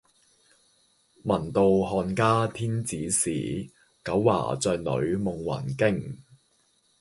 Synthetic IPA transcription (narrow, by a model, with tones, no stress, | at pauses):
mɐ˨˩nt̪o˨˧wɦɔː˧nkaː˥t̪ʰiː˥nt͡siː˨˥sḭː˨˩ | kɐ˨˥wːa̰ː˨˩t͡sœː˧nlɵ̰˨˧˥ɥmʊ˨ŋwɐ̰˨˩nkɪ˥ŋ